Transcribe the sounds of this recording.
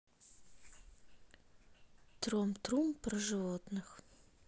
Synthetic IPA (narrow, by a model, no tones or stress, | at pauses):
t̪romt̪rumprəʐɨvot̪nɨχ